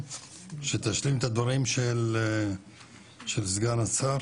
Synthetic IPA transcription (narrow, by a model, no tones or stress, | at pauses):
ʃet̪aʃlimet̪ad̪vaʁimʃel | ʃelzɡanat͡saɾ